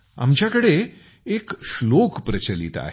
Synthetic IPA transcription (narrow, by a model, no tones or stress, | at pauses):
a̰mt͡ɕjakəɽe | ekɕlokpɾət͡ɕəlḭt̪a̰ɦe